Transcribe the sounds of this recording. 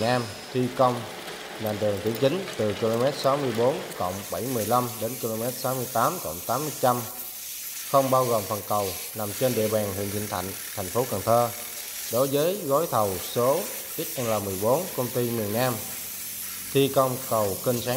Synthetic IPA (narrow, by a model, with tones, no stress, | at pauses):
naː˧m | t̪ʰi˧kə˧wŋ͡m | na˨˩nɗɨ˨˩əŋt̪i˨˧˦əŋt͡ɕï˨˦ŋ̟t̪ɨ˨˩ki˧lo˧mɛ˦˥t̚sa˨˦wmɨ˧əjɓo˨˦nkə̰˧˨wŋ͡mɓa˧˩jmɨ˨˩əjla˧mɗe˨˦nki˧lo˧mɛ˦˥t̚sa˨˦wmɨ˧əjt̪aː˨˦mt̪ə̰˧˨wŋ͡mt̪aː˨˦mːɨ˧t͡ɕa˧m | xə˧wŋ͡mɓaː˧wɣo˨˩mfə˨˩nkə˨˩w | na˨˩mt͡ɕe˧nɗḭ˧˨əɓaː˨˩nɦḭ˧˨əŋzḭ˧˨nt̪ʰa̰˧˨jŋ̟t̪ʰa˨˩jŋ̟fo˨˦kə˨˩ŋt̪ʰəː˧ | ɗo˨˦jzəː˨˦jɣɔ˨˦jt̪ʰə˨˩wso˨˦ | t̪i˦˥ət̚ʔɛ˧ŋlaː˨˩mɨ˨˩əjɓo˨˦nkə˧wŋ͡mt̪i˧mi˨˩ənːaː˧m | t̪ʰi˧kɔ˧wŋ͡mkə˨˩wki˧ŋsaː˨˦